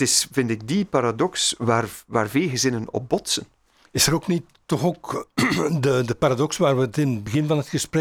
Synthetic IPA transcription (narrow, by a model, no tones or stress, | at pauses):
tɪsv̥ɪntɪɡ̚dipaɾadɔksʋaːrʋa̰ːrvelˠɣəzɪnənɔ̰p̚bɔtsən | ɪsəɾoknitː | ɔχok | dədəpaːɾadɔksʋaːrʋətɪnəd̚bəɣɪnvɑnɦətxəsprɛ